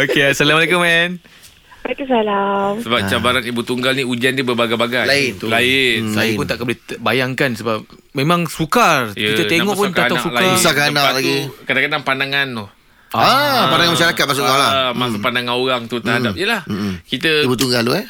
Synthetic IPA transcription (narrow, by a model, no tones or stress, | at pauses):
okeasalaməlekumɛn | məlakusalamsəbap̚t͡ʃabaɾanibut̪uŋɡalniud͡ʒandibəbaɡabaɡajaɪt̪ulaɪnsajəpʊnt̪aʔkəbulɛbajaŋkansəbap̚ | memãŋsukarjkit̪əeŋɔʔpʊnk̪aanaaksulakasakaanaalaɡ̪iukadakadaŋpandaŋantuh | apandaŋanmaʃaɾakat̪̚masʊʔkalamasʊkpandaŋanoɾaŋt̪ut̪ərɦadapiəlahkit̪əibut̪uŋɡaluɛ